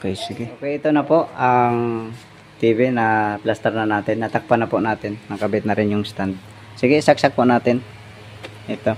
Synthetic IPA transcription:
okɛjsɪɡɪkɛʔɪt̪onɐpoʔaŋ | t̪iːbɪnɐplast̪ɛɾnɐnaːt̪ɪnːɐt̪ak̚panapʊnaːt̪ɪnːɐŋkɐbɪt̪̚nɐɾɪnjʊŋst̪and̪̚ | sɪɡɪsak̚sak̚pʊnaːt̪ɪn | ʔɪt̪o

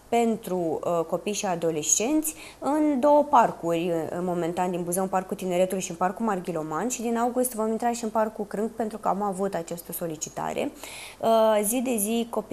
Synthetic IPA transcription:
pe̞nt̪ɾuko̞pijʃiad̪o̞le̞st͡ʃe̞nt̪sʲ | ɨnd̪o̞wəparkurʲmo̞mẽ̞nt̪and̪inbuzəunparkːut̪ine̞ɾe̞t̪ulʃiɨnparkumarɡʲilo̞manʃid̪inawɡust̪vo̞mint̪ɾaʃiɨnparkukɾɨŋkpe̞nt̪ɾukəamavut̪at͡ʃast̪əso̞lit͡ʃit̪a̰ɾe̞̰ | zid̪e̞ziko̞p

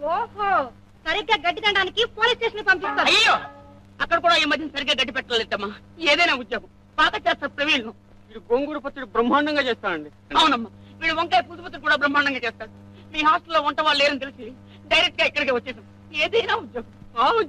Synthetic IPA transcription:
oːɦo | sɐɾiɡːaːɡɐɖːid̪ɐɳɖaːnikipoːliːst͡ʃeːʂɐnpɐmpist̪ːaːɾɐjɐjoː | ɐkːɐɽɐk̬uːɽaːiːmɐd̪ʱjɐnisɐɾiɡaːɡɐɖːipɛʈːɐlːed̪ɐmːaː | eːd̪ɐjnaːud̪jɐɦɐm | paːt̪ɐt͡ʃeːst̪aːɾupɾeʋiːɭnuː | iːɽiɡoŋɡuːɾupɐt̪ːɾiʈibɾɐmːaːɳɐŋɡaːt͡ʃeːst̪aːnɐɳɖi | ɐwnɐmːaːʋiːɽuʋoŋkaːjpuːt̪upɐt̪̬ːiɾkuːɽaːbɾɐmːaːɳɖɐŋɡaːt͡ʃeɛːst̪aːɽu | miːɦaːsʈɐlːoːuɳʈɐʋaːɭleːɾɐnit̪elisi | ɖɐjɾek̚ʈɡaːɛkːɐɽikeːʋɐt͡ʃːeːsam | eːd̪ɐjnaːud̪jɐɦɐmau

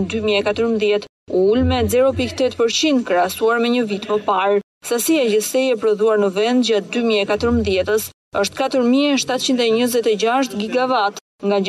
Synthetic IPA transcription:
d̪ymiɛkat̪əɾmðjɛt̪ | ulmɛzɛɾɔpikt̪ɛt̪pəɾt͡ɕind̪kɾɛasuaɾmɛɲəvit̪məpaɾ | sasiɛd͡ʑəsɛjɛpɾɔðuaɾnəvɛnd̪d͡ʑat̪̚d̪ymiɛkat̪əɾmðjɛt̪əs | əʃt̪kat̪əɾmiɛʃt̪at̪̚t͡ɕind̪ɛɲəzɛt̪ɛd͡ʑaʃ̬t̪ɡiɡavat̪ | ŋɡa

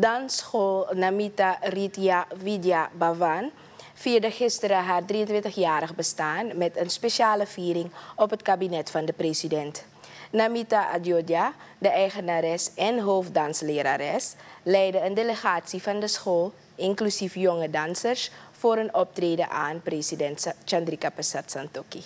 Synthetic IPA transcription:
dɑnsχoːlnamitaritiavidjabavan | fiːərdɑχɪstəɾəɦaːrdriəntʋɪntəxjaːɾəχbəstaːnmɛtənspeʃaːləviːɾɪŋɔpɦətkabinɛtfɑndəpresidɛnt | namitaʔadjodjadəʔɛjχənaɾɛsɛnɦoːfdɑnsleːɾaɾɛslɛjdəəndeləχaːtsifɑndəsxoːl | ɪŋklysifjɔŋədɑnsərsfoːɾənɔp̚treːdəʔaːnpresidɛntt͡ʃandrikapəsatsantoki

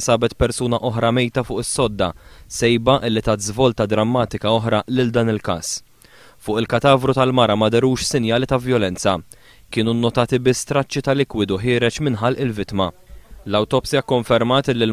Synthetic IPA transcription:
sɐːbɛt̪pɛɾsuːnɐʔɔħɾɐmɛjt̪ɐfʊːʔɪsːɔd̪ːɐ̰sɛjbɐʔɪlːit̪ɐːt̪zvɔːlt̪ɐd̪ɾɐmːɐːt̪ɪkɐɔħɾɐlɪld̪ɐːnɪlkɐ̰ːs | fʊːʔɪlkɐt̪ɐːvɾut̪ɐlmɐɾɐmɐd̪ɛɾuːʃsɪnjɐːlit̪ɐvjɔlɛnt͡sɐ | kɪːnunːɔt̪ɐːt̪ɪbɪsːt̪ɾɐt͡ʃːit̪ɐlɪkwɪd̪uħɪːɾɛt͡ʃmɪnħɐlʔɪlvɪt̪mɐlɐwt̪ɔpsɪjɐkːɔɱfɛɾmɐːt̪ɪlːɪl

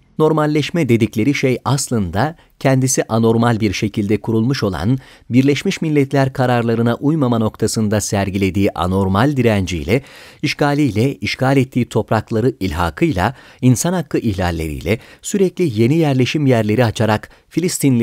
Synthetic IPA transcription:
no̞ɾmalʲːɛʃmɛd̪e̞d̪iclʲe̞ɾiʃejaslˠɯnd̪a | cʰɛnd̪isiʔano̞ɾmalʲbiɾʃe̞cʰilʲd̪ɛkʰuɾulˠmuʃo̞lˠa̰n | biɾlʲɛʃmiʃmilʲːɛt̪lʲæɾkʰaɾaɾlˠaɾɯnaʔujmamano̞kt̪ʰasɯnd̪asæɾɟilʲe̞d̪iːʔa̰no̞ɾmalʲd̪iɾænd͡ʒḭjlʲɛiʃkaːlʲijlʲɛiʃkʰaːlʲɛt̪ʰːiːt̪ʰo̞pɾaklˠaɾɯilʲɦa̰ːkʰɯjlˠa̰insanhakːˠɯʔihlʲa̰lʲːe̞̰ɾḭjlʲɛsyɾɛclʲije̞nijæɾlʲe̞ʃimjæɾlʲe̞ɾiat͡ʃʰaɾak | filʲist̪inlʲ

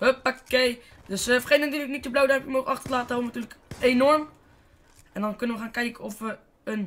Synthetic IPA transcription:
həpakːej | døsəfrχednntyːləknit̚əblowdapjəmoχəɑχtəlaːtədaːrɔmʋəntyːrləkeːnɔrm | ɛndɔnkønəʋəχaːnkɛjkənɔfʋə | ən

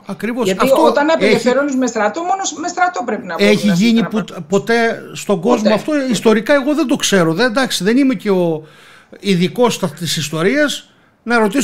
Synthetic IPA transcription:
ɐkɾivo̞sɐt̪ɐft̪oot̪ɐnɐpelefeɾonizmest̪ɾɐt̪omonosmest̪ɾɐt̪opɾepinɐeçiʝiɲipupo̞t̪e̞st̪o̞ɡo̞zmoɐft̪oist̪o̞ɾikɐe̞ɣo̞ðe̞nd̪o̞kse̞ɾo̞ðend̪ɐksiðe̞nime̞ce̞o̞ | iðiko̞st̪ɐt̪isist̪o̞ɾiɐs | nɐɾo̞t̪is

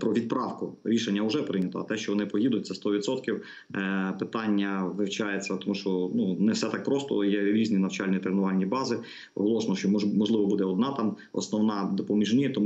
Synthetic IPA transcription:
pɾɔʋʲid̪̚pɾɑwkʊɾʲiʃenʲːɐʊʒɛpɾɪnʲɐt̪ɔ̰ːt̪ɛʃt͡ʃɔʋɔnɪpɔjid̪ʊt̚ʲt̪sɛst̪ɔʋʲid̪t̪sɔt̪kʲiw | pɪt̪ɑnʲːɐʋɪwt͡ʃɑjet͡sʲːɐt̪ɔmuʃt͡ʃɔnunɛwsɛt̪ɑk̚pɾɔst̪ɔ̰jɛɾʲizʲnʲinɐwt͡ʃɑlʲnʲit̪ɾenʊʋɑlʲːibɑzɪ | ɔ̰ɦlˠɔʃnɔʃt͡ʃɔmɔʒlˠɪʋɔbud̪ɛɔd̪nɑt̪ɑmɔ̰snɔwnɑd̪ɔpɔmʲiʒnʲijɛt̪ɔmu

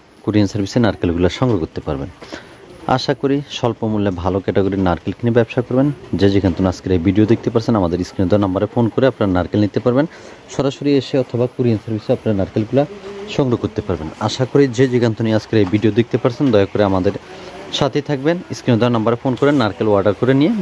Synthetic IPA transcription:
kuɾiansaɾbʱisenaɾkelɡulaɾʃɔŋɡɾoɡoɾt̪ːepaɾben | a̰ʃakoɾiʃɔlpomulːebʱalokɛʈeɡoɾiɾnaɾkelkʰinibɛbʃakoɾbend͡ʑed͡ʑiɡant̪oniaskeɾajbiɖiod̪ek̚t̪epaɾt͡ɕʰenamad̪eɾiskɾinod̪ɔnambaɾefonkoɾeapnaaɾnaɾkelnit̪ːepaɾben | ʃɔɾaʃoɾieʃeɔt̪ʰobakuɾiansaɾbʱisoapnaɾaɾnaɾkelɡulaʃɔŋɡɾoɡoɾt̪epaɾbenaʃakoɾid͡ʑed͡ʑiɡant̪oniaskeɾejbʱiɖiod̪ek̚t̪epaɾt͡ɕʰend̪ɔjokoɾeamad̪eɾʃat̪ʰit̪ʰak̚beniskɾinod̪ɔenambaɾefonkoɾenːaɾkeloaɾɖaɾkoɾenije

